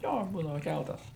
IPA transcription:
ˈjoː ˈbuːdɐʋɐ ˈkʲælˠtɐs

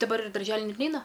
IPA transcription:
dɐˈbɐr ɪ dɐrʲˈʒʲæːlʲɪ ˈnʲɛt ˈnʲɛɪnɐ

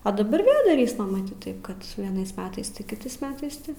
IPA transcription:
ɐ dɐˈbɐr ˈʋʲeːlˠ dɐˈrʲiːsmɐ mɐˈtʲiːt ˈtɐɪp kɐt ʋʲiɛˈnɐɪs ˈmʲæːtɐɪs ˈtʲɪ kʲɪˈtɐɪs ˈmʲæːtɐɪs ˈtʲɪ

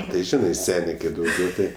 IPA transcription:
tɐɪ ˈʒʲɪnɐɪ ˈsʲæːnʲeː kɐɪ ˈdɐʊɡʲɛʊ tʲɪ

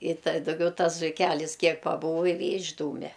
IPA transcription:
ɪ tɐ dɐʊˈɡʲɛʊ ˈtɐs zʊɪˈkʲælʲɪs ˈkʲiɛk pɐˈbuːʋoː ɪ ʋʲeː ɪʒˈduːmʲɛ

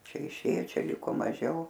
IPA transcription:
ˈt͡ʃʲɛ ɪˈʃʲeːjoː ˈt͡ʃʲɛ ˈlʲɪkoː mɐˈʒʲɛʊ

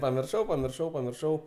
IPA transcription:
pɐmʲɪrˈʃɐʊ pɐmʲɪrˈʃɐʊ pɐmʲɪrˈʃɐʊ

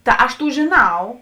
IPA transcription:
ˈtɐ ɐʃ ˈtuː ʒʲeːˈnɐʊ

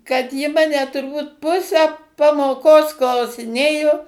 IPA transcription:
kɐt jɪ ˈmɑːnʲɛ tʊrˈbuːt ˈpʊsʲæː pɐmoːˈkoːs klˠɐʊsʲɪˈnʲeːjoː

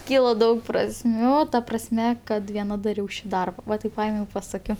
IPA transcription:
ˈkʲiːlˠɐ ˈdɐʊk prɐsʲˈmʲuː oː ˈtɐ prɐsʲˈmʲɛ ˈkɐt ʋʲiɛˈnɐ dɐˈrʲɛʊ ˈʃʲiː ˈdɐrbɐ ˈʋɐ ˈtɐɪp ˈpɐeːmʲɛʊ ɪ pɐˈsɑːkʲoː

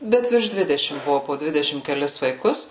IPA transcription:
ˈbʲɛt ʋʲɪrʃ ˈdʲʋʲɪdʲɛʃʲɪm ˈbʊʋʊ poː ˈdʲʋʲɪdʲɛʃʲɪm kʲɛˈlʲɪs ʋɐɪˈkʊs

